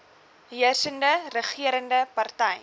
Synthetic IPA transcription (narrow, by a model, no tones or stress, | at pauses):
ɦiərsəndərəχiəɾəndəpɐrtɛj